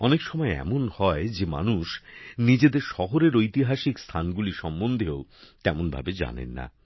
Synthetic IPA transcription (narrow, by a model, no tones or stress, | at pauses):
ɔnekʃɔmɔeɛ̰monhɔed͡ʑema̰nuʃnid͡ʑed̪eɾʃɔɦoɾeɾojt̪iɦaʃikst̪ʰanɡuliʃɔmːond̪ʱeot̪ɛmonbʱa̰bed͡ʑa̰nḛnːa̰